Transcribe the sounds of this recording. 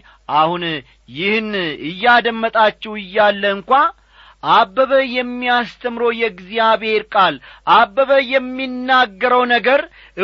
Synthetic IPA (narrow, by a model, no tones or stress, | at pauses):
ʔahun | jɪhnɨjːad̪əmːət̪ʼat͡ʃːɛwɨjːalːəɨŋkʷa | ʔabːəβəjɛmːiast̪ʰəmɾojɛɡzijaβe̞ɾkʼalʔabːəβəjɛmːinːaɡːəɾəwnəɡəɾ | ʔɨ